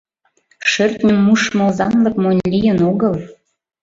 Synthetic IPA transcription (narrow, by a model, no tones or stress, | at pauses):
ʃørt̪nʲəmːuʃmɤ̆lzɑnlɤ̆kmonʲlʲijənoɣəl